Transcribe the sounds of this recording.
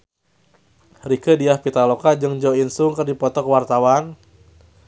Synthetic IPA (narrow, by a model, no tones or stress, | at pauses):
rikədiahpit̪alokad͡ʒɨŋd͡ʒɔinsʊŋkərdipɔt̪ɔkwart̪awan